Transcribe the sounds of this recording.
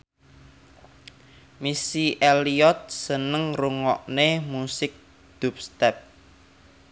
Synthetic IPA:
misiʔeliɔt̪̚sənəŋruŋɔ̰ʔnemusɪk̚ | d̪̥ṳp̚st̪ɛp̚

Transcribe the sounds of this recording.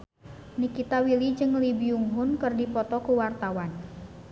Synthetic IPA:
nikit̪awilid͡ʒɨŋlibiuŋɦʊnkɨrdipɔt̪ɔkuwart̪awan

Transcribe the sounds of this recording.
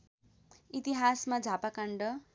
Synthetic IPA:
it̪iɦasmad͡zʱapakaɳɖʌ

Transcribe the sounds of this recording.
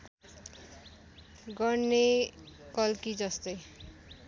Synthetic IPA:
ɡʌɾnekʌlkid͡zʌst̪ʌj

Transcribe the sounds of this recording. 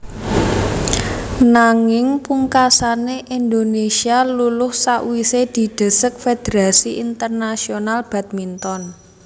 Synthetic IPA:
naŋɪŋpuŋkasaneʔind̪onesialulʊhsaʔwised̪̥i̤d̪̥ə̤sək̚fed̪̥eɾasiʔint̪ərnasionalb̥a̤t̪̚mint̪ɔn

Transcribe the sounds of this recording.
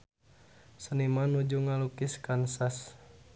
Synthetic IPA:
sənimanud͡ʒuŋalukiskansas

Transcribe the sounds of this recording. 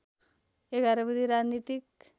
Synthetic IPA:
eɡaɾabəd̪ʱiɾad͡ʒnit̪ik̚

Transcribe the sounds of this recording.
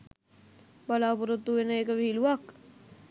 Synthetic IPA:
balaːpuɾət̪ːuʋenəeːkəʋiɦiluʋak

